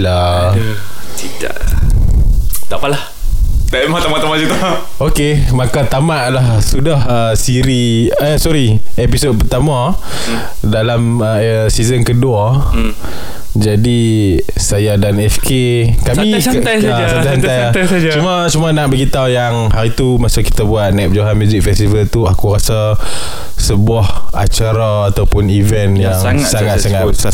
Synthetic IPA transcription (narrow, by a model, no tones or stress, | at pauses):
la | sida̰ʔ | t̪aʔpalah | t̪amat̪amaʔt̪amaʔsit̪u | okemakat̪amaʔlahsudahəsiɾi | sɔɾiɛpisod̚pərt̪amã | dalam | ə | sizənkədua | d͡ʒadi | sajadanɛfkʰe | kami | jasaasant̪ajaaat͡ʃumat͡ʃumanaʔ̚baɡit̪awjaŋhaɾit̪umasaki̥t̪abuat̪̚nap̚d͡ʒoɦanmuzik̚fɛst̪ivəlt̪uakuɾasa | səbuaha̰t͡ʃaɾaːt̪awpʊnivɛnjaŋŋsaŋat̪saŋa